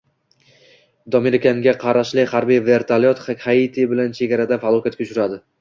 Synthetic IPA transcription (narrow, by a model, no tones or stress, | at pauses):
d̪ɒmɪɾkʲaŋɡʲaqʰɑɾaʃlɪhaɾbijve̞ɾt̪ʰalijɒt̪ait̪ʰibɪlant͡ʃʰe̞ɡʲaɾad̪afalˠɒkʰʲat̪kʲaʊt͡ʃʰʊɾad̪ɪ